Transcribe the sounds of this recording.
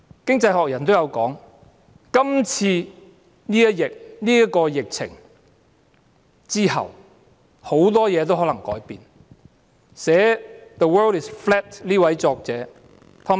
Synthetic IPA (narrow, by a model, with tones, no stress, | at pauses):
kɪ˥ŋt͡sɐ˧jɦɔː˨k̚jɐ˨˩nt̪o˥wjɐ˨˧wkɔː˨˥ŋ | kɐ˥mt͡sʰiː˧ | niː˥jɐ˥t̚jɪ˨k̚niː˥jɐ˥kɔː˧jɪ˨k̚t͡sʰɪ̰˨˩ŋ | t͡siː˥hɐ̰˨w | ho˨˥wt̪̬ɔː˥jɛː˨˧t̪o˥whɦɔ˨˥lɐ˨˩ŋkɔː˨˥jpiː˨˧n | sɛː˨˥ðə˨wɜː˥ldɪ˨sflɛː˥t̚liː˥wɐ˨˥jt͡ʃɔː˧k̚t͡sɛː˨˥ | t̪ʰɔː˨˧